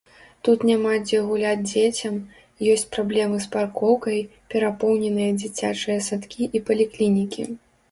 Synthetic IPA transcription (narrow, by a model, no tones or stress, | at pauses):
t̪ut̪nʲamad͡zʲɛɣulʲad͡zʲd͡zʲet͡sʲɐm | jɔsʲt͡sʲpɾablʲɛmɨsparkɔwkɐjpʲɛɾapɔwnʲɛnɨjɐd͡zʲit͡sʲat͡ʂɨjɐsat̪kʲiʔipɐlʲiklʲinʲikʲḭ